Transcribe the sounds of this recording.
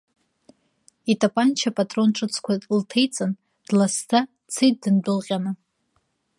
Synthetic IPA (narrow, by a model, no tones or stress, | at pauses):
itʼapʼant͡ʃʰapʼatʼro̞nʈ͡ʂʼɨt͡sʰkʷʰatʼltʰejt͡sʼan | d̥lastʰa | t͡sʰejt̚dɨnbɨlqʲʼanɨ